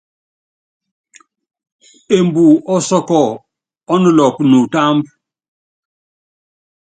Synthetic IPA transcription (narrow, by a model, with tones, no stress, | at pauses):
e˨mbu˨ɔ˦sɔ˦kɔ˦˨ | ɔ˦nu˦˨lɔ˨pnu˨ta˦mb